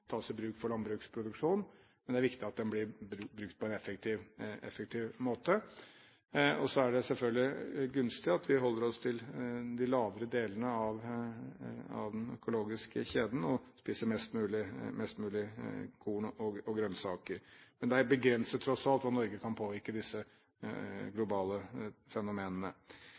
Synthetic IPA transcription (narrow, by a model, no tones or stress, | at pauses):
t̪ʰɑːsɪbɾʉːkfɔɭɑnbɾʉːkspʰɾʊd̪ʉkʂuːn | mɛnd̪ɛæɾʋɪkt̪ɪɑt̪̚d̪ɛnblɪbɾbɾʉkt̪̚pʰɔɛnɛfəkt̪ʰɪːʋɛ̰fək̚t̪ʰiːʋmoːt̪ə | ɔsɔæɖɛsɛlfœɡ̪lɪɡʉnst̪ɪɑt̪ʰʋɪɦɔlːəɾɔst̪ʰɪld̪ɪlɑːʋəɾəd̪eːlənəɑʋ | ɑ̰ʋd̪ɛnœ̰kʊloːɡɪskəçeːd̪n̩ɔspiːsəɾmɛst̪mʉːlɪmɛst̪mʉːlɪɡʰuːnʔɔɔɡɾœnsɑːkəɾmɛnd̪ɛæɾbəɡɾɛnsət̪ʰːɾɔsɑlt̪ʋɑnɔɾɡəkʰɑnpʰoːʋɪɾkəd̪ɪsːə | ɡlʊbɑːləfɛnʊmeːnənə